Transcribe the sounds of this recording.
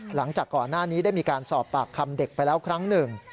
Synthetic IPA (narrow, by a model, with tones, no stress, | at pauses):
la˩˦ŋt͡ɕaː˨˩kːɔː˨˩nːaː˥˩niː˦˥da˥˩jmiː˧kaː˧nsɔː˨˩p̚ːaː˨˩kʰːa˧mde˨˩k̚pa˧jlɛː˦˥wkʰɾa˦˥ŋnɯ˨˩ŋ